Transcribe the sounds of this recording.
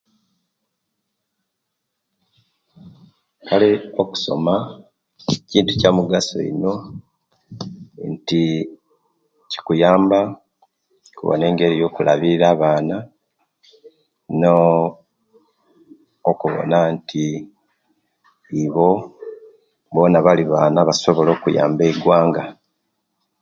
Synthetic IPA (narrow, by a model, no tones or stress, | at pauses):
kalioku̥so̞̰ma | ciːntucamuɡaso̞̰ḭno̞ | nti | ci̥kujaːmba | kṵβo̰ne̞ːŋɡe̞ɾijo̞ːkulʔa̰βiɾaːβaːna | no | kuβo̰nantʰi | βo̞ | bo̞ːnaβaliβaːnaβaso̞βo̞lo̞ːkuja̰ːmbe̞iɡwaːŋɡa